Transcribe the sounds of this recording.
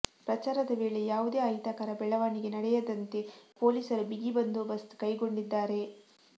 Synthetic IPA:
pɾɐt͡ʃaːɾɐd̪ɐʋe̞ːɭejaːʋud̪e̞ːɐjt̪ɐkɐɾɐbɛɭɐʋaːɳiɡe̞nɐɽɛjɐd̪ɐnt̪e̞po̞ːliːsɐɾubiɡibɐnd̪ubɐst̪kɐjɡo̞ɳɖid̪ːaːɾe̞

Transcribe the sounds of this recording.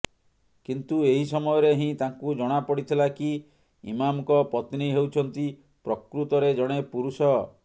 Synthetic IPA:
kint̪ueɦisɔmɔjɔɾeɦĩt̪aŋkud͡ʒɔɽ̃apɔɽit̪ʰilaki | ḭmamkɔpɔt̪niɦewt͡ʃʰɔnt̪i | pɾɔkɾut̪ɔɾed͡ʒɔɽ̃epuɾusɔ

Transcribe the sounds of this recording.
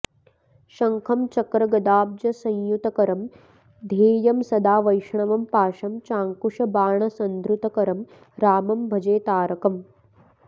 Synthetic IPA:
ʃɐŋkʰɐmt͡ʃɐkɾɐɡɐd̪aːb̚d͡ʒɐsɐ̃jjut̪ɐkɐɾɐm | d̪ʱeːjɐmsɐd̪aːʋɐjʂɐɳɐʋɐmpaːʃɐmt͡ʃaːŋkuʂɐbaːɳɐsɐnd̪ɾut̪ɐkɐɾɐm | ɾaːmɐmbʱɐd͡ʒeːt̪aːɾɐkɐm

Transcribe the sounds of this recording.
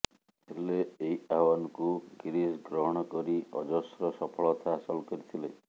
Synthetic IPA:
eleeiawanɔkuɡiɾisɡɾɔɦɔɽ̃ɔkɔɾiɔd͡ʒɔsɾɔsɔpʰɔɭɔt̪ʰaːsɔlkɔɾit̪ʰile

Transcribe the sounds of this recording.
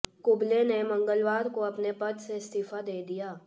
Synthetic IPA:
kʊblenemɐ̃ŋɡəlʋaːɾkoɐpnepɐt̪seɪst̪iːfad̪eːd̪ijaː

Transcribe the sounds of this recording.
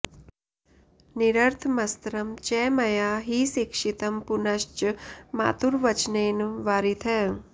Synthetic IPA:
niɾəɾt̪ʰmɐst̪ɾɐmt͡ʃɛːmɐjaːɦisikʂit̪əmpunɐʃt͡ʃma̰ːt̪uɾʋət͡ʃneːnʋaːɾit̪ʰɛ

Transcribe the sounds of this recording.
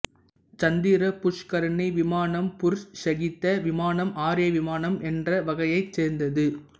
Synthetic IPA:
t͡ʃɐnd̪iːɾɐpʊʂkɐɾɐnɐʋɪmaːnɐmpʊɾsɐɣɪt̪ːɐʋɪmaːnɐmʔaːɾɪjɐʋɪmaːnɐmʔɛndrɐʋɐɣɐjɐɪt͡ʃseːɾnd̪ɐðɯ

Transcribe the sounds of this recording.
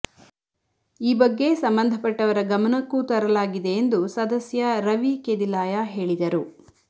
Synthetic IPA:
iːbɐɡːe̞sɐmbɐnd̪ʱɐpɐʈːɐʋɐɾɐɡɐmɐnɐkːut̪ɐɾɐlaːɡid̪e̞ːnd̪usɐd̪ɐsjɐɾɐʋikeːd̪ilaːjaɦe̞ːɭid̪ɐɾu

